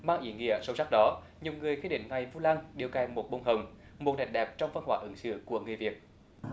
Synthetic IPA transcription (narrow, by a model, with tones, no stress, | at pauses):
maː˧ŋʔḭ˧˩əŋḭ˧˨əso˧˨˦wsa˦˥k̚ɗɔ˨˦ | ɲi˨˩wŋ͡mŋɨ˨˩əjxi˧˥ɗḭ̈˧˥˨ŋ̟ŋa˨˩jvu˧laː˧ŋɗi˨˩əwka˧˩jmo˨˩t̚ɓo˧˩wŋ͡mɦə˨˩wŋ͡m | mo˨˩t̚ɗa˨˩ŋ̟ɗɛ˨˩p̚t͡ɕɔ˧wŋ͡mvə˧nɦwaː˧˩ʔɨ˨˦ŋsɨ̰˧˥ku˧˩əŋɨ˨˩əjvi˨˩ət̚